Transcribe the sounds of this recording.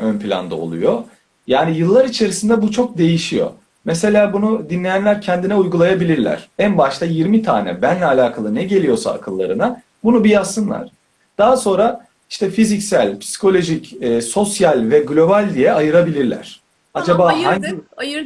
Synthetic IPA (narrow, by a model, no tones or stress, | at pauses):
ønpʰilʲa̰nd̪ao̰lˠṵjo | jaːnijɯlˠːaɾit͡ʃʰe̞ɾisind̪ɛbut͡ʃʰo̞k̚d̪e̞jiʃijo̞̰ | mɛse̞lʲaːbunud̪inlʲe̞jænlʲæɾcʰɛnd̪inɛujɡulˠajabilʲiɾlʲæ̰ɾ̥ænbaʃt̪ˠajiɾmit̪ʰa̰ːnɛ̰bænlʲɛːlʲaːkʰalˠɯnɛɟe̞lʲijo̞sa̰ːkʰɯlˠːa̰ɾɯna | bunubijasːɯnlˠa̰ɾ̥ | d̪̥aɦaso̞nɾa | iʃt̪ʰɛfizicsælʲpʰsi̥kʰo̞lʲo̞ʒicɛːso̞sjalʲvɛɡlʲo̞balʲd̪ijɛajɯɾabilʲiɾlʲæ̰ɾ̥ | ad͡ʒabaːhaɲj